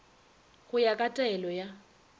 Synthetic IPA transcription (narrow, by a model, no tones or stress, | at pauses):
ɣʊjakʼatʼɛlɔja